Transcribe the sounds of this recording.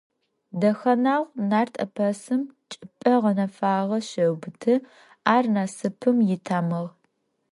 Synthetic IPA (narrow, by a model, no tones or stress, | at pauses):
dɐxɐnaːʁʷnaːrtʰʼɐ̰pʰɐsɨmt͡ʃʼɪpʼɐʁɐnɐfaːʁɐɕɐwbɨtʰɨ | aːrnaːsɨpʰɨmjɪtʰaːmɨʁ